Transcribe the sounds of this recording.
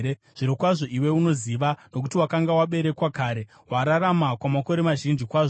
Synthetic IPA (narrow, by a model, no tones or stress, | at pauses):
e | ʐ̥iɾokwaʐo̞ʔiwe̞uno̞ziʋano̞k̬utiwakaŋɡawaɓe̞ɾe̞kwakaːɾe̞ | waɾaɾamakwamako̞ɾe̞maʒind͡ʒikwaːʐo